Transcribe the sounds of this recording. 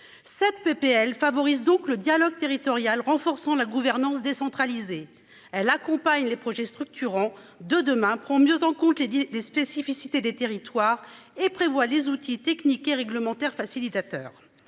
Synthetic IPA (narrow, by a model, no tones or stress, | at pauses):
sɛt̪̚pepeɛlfavɔʁizd̪ɔ̃kləd̪jalɔɡ̚t̪eʁit̪ɔʁjalʁɑ̃fɔʁsɑ̃laɡuvɛʁnɑ̃sd̪esɑ̃t̪χalize | ɛlakɔ̃paɲlepχɔʒɛst̪χyk̚t̪yʁɑ̃d̪əd̪əmɛ̃pχɑ̃mjøzɑ̃kɔ̃t̪lespesifisit̪ed̪et̪eʁit̪waːʁepχevwalezut̪ʰit̪ɛknikeʁɛɡləmɑ̃t̪ɛʁfasilit̪at̪œ̰ːʁ